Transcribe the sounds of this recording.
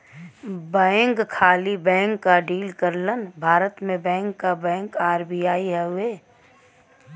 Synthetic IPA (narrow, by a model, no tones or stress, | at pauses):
bɛ̃ːŋkkʰaːlibɛ̃ːŋkːaɖiːlkəɾlənbʱaːɾət̪mẽbɛ̃ːŋkːabɛ̃ːŋkaːɾbijaːiɦɛɦʊeː